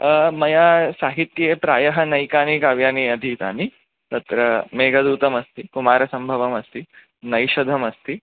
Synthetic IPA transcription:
mɐjaːsaːɦit̪jepɾaːjɐɦɐnɐjkaːnikaːʋjaːniɐd̪ʱit̪a̰ːni | t̪ɐt̪ɾɐmeːɡʱɐd̪uːt̪ɐmɐst̪ikumaːɾɐsɐmbʱɐʋɐmɐst̪i | nɐjʃɐd̪ʱɐmɐst̪i

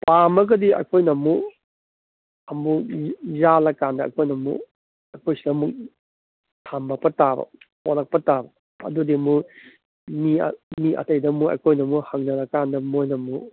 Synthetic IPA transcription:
pamɐɡɐdiɐ̰jkʰojnɐmu | ɐmuzalɐkandɐɐ̰jkʰojnɐmṵ | ɐjkʰojsidɐmuk̚ | tʰambɐk̚pɐtabɐ̰holɐk̚pɐtabɐ | ɐ̰dudimu | mḭmiʔɐ̰tɐjdɐmuɐ̰jkʰojnɐmuhɐŋnɐlɐkandɐmojnɐmu

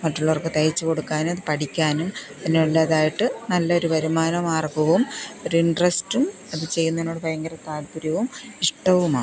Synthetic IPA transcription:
mɐʈːuɭːɐʋorkːet̪ɐjit͡ɕːɨko̞ɽukːaːnumɐðɨpɐʈikʲːaːnumɐinːeulːaːðaːjiʈːɨnɐlːɐo̞ɾuʋɐɾumaːnɐmaːrɡɐʋumo̞ɾuiɳɖrɐstum | ɐðɨt͡ɕe̞jːunːɐenoɽɨpɐjɐŋɡɐɾɐt̪aːlpuɾjɐʋumiʂʈɐʋumaːɳ

